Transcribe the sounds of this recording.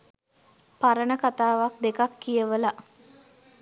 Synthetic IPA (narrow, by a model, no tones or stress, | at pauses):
paɾənəkat̪aːʋak̚d̪ekakːijəʋəla